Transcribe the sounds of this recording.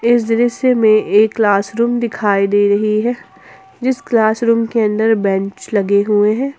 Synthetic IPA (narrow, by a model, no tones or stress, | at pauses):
ɪs̬d̪ɪɾəsemẽʔeːkːlaːsɾuːmd̪ɪkʰaːid̪eːɾɐɦiɦɛː | d͡ʒɪsklaːsɾuːmkeɐ̃nd̪əɾbɛ̃t͡ʃlɐɡeɦueɦɛ̃ː